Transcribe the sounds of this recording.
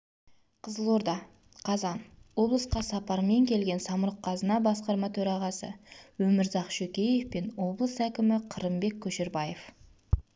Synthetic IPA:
qʰəzəlˠo̞ɾd̪ɑ | qʰɑzɑnwo̞blˠəsqɑsɑpɑɾme̞ŋkʲʰe̞lɡʲe̞nsɑməɾəqʰːɑzənɑbɑsqɑɾmɑt̪ʰɵɾɑʁɑsə̰wɵmɪɾzɑqʃɵkʲe̞je̞fpenwo̞blˠəsækʲɪmɪqʰəɾəmbe̞kʲʰːɵʃeɾbɑje̞f

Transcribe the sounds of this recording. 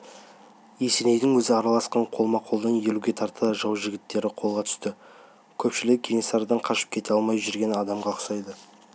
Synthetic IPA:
jese̞nejd̪ɪŋwɵzɪɑɾɑlˠɑsqɑɴqʰo̞lˠmɑqʰo̞lˠd̪ɑnje̞luɡʲe̞t̪ʰɑɾt̪əʒɑwʒɪɡʲɪt̪ːe̞ɾɪqʰo̞lˠʁɑt̪ʰʏ̥st̪ɪ | kʲʰɵpʃɪlɪk̚ɡʲʰeŋesɑɾd̪ɑɴqʰɑʃə̥p̚kʲʰe̞t̪eɑlˠmɑjʒʏɾɡʲe̞nɑd̪ɑmʁɑəqsɑjd̪ə

